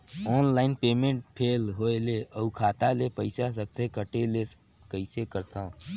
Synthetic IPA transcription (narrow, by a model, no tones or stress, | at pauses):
ɔːnlaːɪnpeːmẽɳʈ̚pʰeːlɦoeleʔəukʰaːt̪alepəɪsasək̚t̪ekəʈele | kəɪsekəɾt̪ʰãː